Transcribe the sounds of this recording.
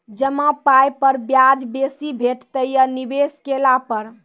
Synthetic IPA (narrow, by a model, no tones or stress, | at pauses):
d͡ʒəmapajpəɾbjad͡ʒbesibʱeʈt̪əjənibeskelapəɾ